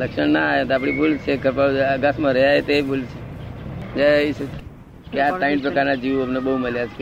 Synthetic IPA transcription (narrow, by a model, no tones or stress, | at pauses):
ləkʃəɳnaet̪ap̬ɽ̃ibult͡ʃʰekəpaɡəsmãɾəɦjaɦet̪ebult͡ʃʰe | d͡ʒait͡ʃʰe | keataĩʈ̚pɾəkaɾnad͡ʒiʋapnebəɦuməljat͡ʃʰk